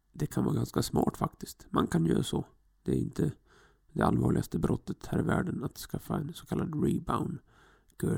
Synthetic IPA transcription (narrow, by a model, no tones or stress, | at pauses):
d̪ɛkʰanvɑːɾɡanskasmɑːʈfakt̪ɪst̪mankʰanjœ̰ːɾasɔ | d̪ɛæɾɪnt̪ʰə | d̪ɛalvɑːɭɪɡast̪əbɾʔɔt̪ːət̪hæːɾɪvæːɖənat̪skafːaɛnsɔkʰalːad̪ɾɪbaʊn | ɡʰœː